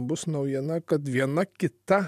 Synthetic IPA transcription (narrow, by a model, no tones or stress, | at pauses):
bʊsnɒʊjiɛnɐkɐt̪ʋʲiɛnɐkʲɪt̪ɐ